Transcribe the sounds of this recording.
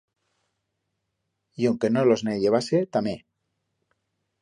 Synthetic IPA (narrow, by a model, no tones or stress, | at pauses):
jawŋkenolozneʎeβ̞aset̪ame